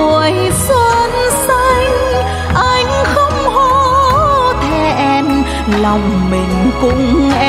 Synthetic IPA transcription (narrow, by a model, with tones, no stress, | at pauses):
u˧˩əj | sə˧nsa˧jŋ̟ | ʔa˧jŋ̟xə˧˦˥ŋ͡mhɔ˧˦ | t̪ʰɛ˧˩ʔɛ˧n | la˧˩wŋ͡mmï˨˩ŋ̟kʊ̰˧ŋ͡mʔɛ˧